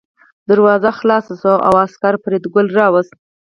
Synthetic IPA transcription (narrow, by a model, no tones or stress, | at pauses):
d̪aɾwɑzaxlɑsasoʔa̰waskaɾpɾed̪ɡʊlɾɑwəst̪̚